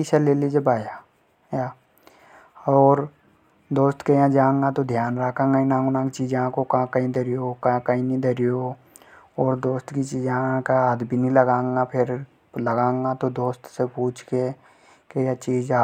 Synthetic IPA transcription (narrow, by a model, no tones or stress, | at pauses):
isaleːlid͡ʒebaːja | ja | ɔːɾ | d̪oːst̪kejãd͡ʒãːŋɡat̪od̪ʱjaːnɾaːkʰãːŋɡaĩnãːŋɡʊnãːkit͡ʃiːd͡ʒãkokãkaĩd̪ɐɾijokãkaĩnĩd̪əɾijo | ɔːɾd̪oːst̪kit͡ʃiːd͡ʒãkaaːd̪binĩləɡãːŋɡapʰɪɾ | ləɡãːŋɡat̪od̪oːst̪sepuːt͡ʃʰke | kejãt͡ʃiːd͡ʒa